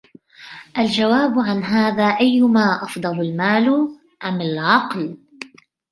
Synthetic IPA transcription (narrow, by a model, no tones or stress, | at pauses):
ʔald͡ʒawaːbʕanɦaːðaːʔajːʊmaːʔɑfd̪ˤɑlalmaːl | ʔamalʕɑql